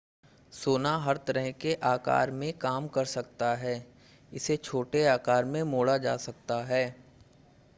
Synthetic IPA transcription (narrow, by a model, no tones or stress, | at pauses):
soːnaɦɐɾt̪ɐɾəɦkeʔaːka̰ːɾmẽkaːmkɐɾsɐk̚t̪aɦɛː | ɪset͡ʃʰoːʈeaːkaːɾmẽmoːɽad͡ʒa̰ːsɐk̚t̪aɦɛː